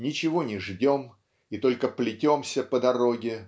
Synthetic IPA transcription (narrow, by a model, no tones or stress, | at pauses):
nʲɪt͡ɕɪvo̞nʲɪʐdʲo̞m | it̪o̞lʲkəplʲɪtʲo̞msʲəpəd̪ɐɾo̞ɡʲɪ